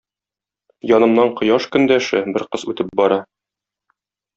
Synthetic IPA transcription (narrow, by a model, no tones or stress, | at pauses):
jɒnɤ̆mnɑɴqŏjɑʃkɵ̆nd̪æʃɘbɘɾqɤzʉt̪ɘp̚bɒɾɑ